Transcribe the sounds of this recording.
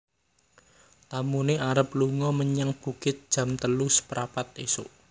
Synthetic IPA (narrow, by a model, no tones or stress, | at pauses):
t̪amuneʔaɾəpluŋɔməɲəŋb̥ṳɡ̥ɪt̪̚d̥ʒ̥ä̤mt̪əluspəɾapat̪̚esʊ̰ʔ